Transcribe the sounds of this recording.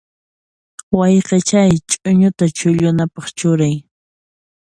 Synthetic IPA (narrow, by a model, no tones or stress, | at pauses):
wajqet͡ʃajt͡ʃʼʊɲʊt̪at͡ʃʊʎʊnapɑχt͡ʃʊɾaj